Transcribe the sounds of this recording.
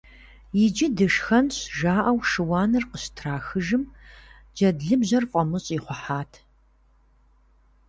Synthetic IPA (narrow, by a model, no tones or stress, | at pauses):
jɪd͡ʒɪdɨʂxɐnɕʒaːʔɐwʂɨwɑːnɨrqəɕtʰraːxɨʒɨm | d͡ʒɐdɮɨbʑɐrfʷʼɔmɨɕʼiːχʷɔħaːtʰ